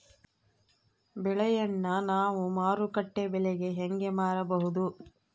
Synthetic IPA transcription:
bɛɭɛjɐnːɐnaːʋumaːɾukɐʈːebɛɭɛɡe̞ɦeŋɡemaːɾɐbɐɦud̪u

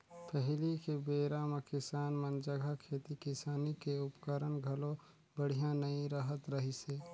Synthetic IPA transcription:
pəɦlikebeːɾamekɪsaːnmənd͡ʒəɡʱakʰeːt̪ikɪsaːnikeʊpkəɾənɡʱəlõ | bəɽ̤ijãnəĩɾəɦət̪ɾəɦiseː

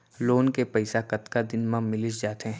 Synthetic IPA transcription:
loːnkepɐɪsakɐt̪kad̪ɪnmãmɪlɪt͡ʃd͡ʒaːt̪ɦɛ̃

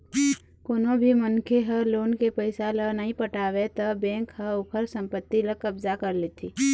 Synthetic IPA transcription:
koːnobʱimənkʰeɦəloːnkepəɪsalənəɦĩpəʈaːwet̪əbɛ̃ːkhəʊpʰəɾsə̃mpət̪ːiləkəbzakəɾlet̪ʰiː

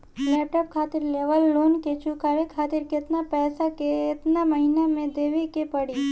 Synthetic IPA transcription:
lɛp̚ʈɔp̚kʰat̪ɪɾleʋəlːonket͡ʃʰukaʋekʰat̪ɪɾkɪt̪napɛːsakeːt̪naməɦinamẽd̪eʋikepəɽi

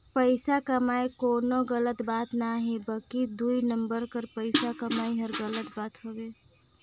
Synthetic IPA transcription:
pəɪsakəmaekoːnoɡələt̪bat̪naɦibəlkid̪uinəmbəɾkəɾpəɪsakəmaiɦəɾɡələt̪baːt̪ɦobe

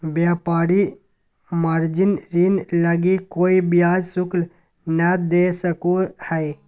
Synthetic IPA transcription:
bjaːpaːɾi | maɾd͡ʒɪnɾinləɡikoːibjaːd͡ʒsʊkl | nəd̪esəkuhɛː

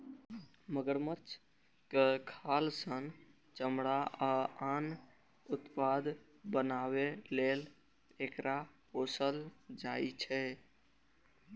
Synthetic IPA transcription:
məɡəɾmət͡ʃʰ | kekʰalsən | t͡ʃəmɽaʔaan | ut̪pad̪ | bənawelel | ekɾʔaposəld͡ʒait͡ʃʰɛ

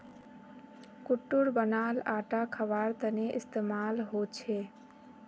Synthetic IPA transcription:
kʊʈːʊɽbənaːlaːʈakʰəʋaːɾt̪əneʔɪst̪emaːlɦot͡ʃʰe

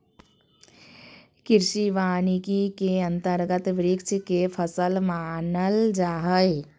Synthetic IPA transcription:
kɪɾʃiʋaːnikikeɐ̃nt̪əɾɡət̪ʋɾɪkt͡ʃʰkepʰəsəlmaːnəld͡ʒaːɦəj

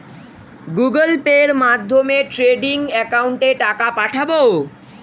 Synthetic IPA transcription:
ɡuɡəlpeɾmad̪ʱːomeʈɾeɖiŋɛkawuɳʈeʈakapaʈʰabo

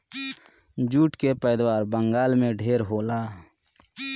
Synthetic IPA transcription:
d͡ʒuːʈkepɛːd̪waːɾbəŋɡaːlmẽɖʱeːɾɦoːlaː

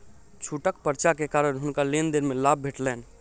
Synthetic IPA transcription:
t͡ʃʰuʈəkpəɾt͡ʃakekaɾənɦunkalend̪eɾmelab̚ʱbʱeʈlɛn

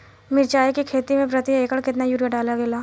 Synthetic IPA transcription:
mɪɾt͡ʃaːekikʰeːt̪imẽpɾɐt̪ieːkəɽkɪt̪najuːɾjaɖaːlaɡeːlaː

